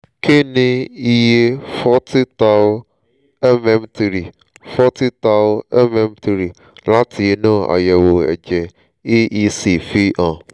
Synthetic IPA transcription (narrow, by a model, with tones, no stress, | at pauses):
kʰe˦˨nĩ˧i˧je˦fɔ˦ti˦ta˦ | ɛ˦mɛ˦m˦ti˨ɾi˨ | fɔ˦ti˦ta˧˦ɛ˦mɛ˦m˦ti˧ɾi˨ | la˦tʰi˨˧nã˦˨a̰˨jɛ˨wo˨ɛ̰˨d͡ʒɛ˨ | i˦ʔi˦si˨fi˦ʔã˨